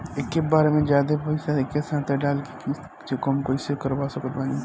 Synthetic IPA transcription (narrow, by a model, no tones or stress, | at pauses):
ekːebaːɾemẽd͡ʒjaːd̪epoisaekːesãːt̪eɖaːlkeki | t͡ʃekomkoisekəɾbaːsəkət̪̚baːni